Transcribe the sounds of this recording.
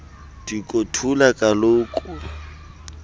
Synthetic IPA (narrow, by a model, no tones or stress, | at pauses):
d̥ikʼotʰulakʼalʊkʼʊa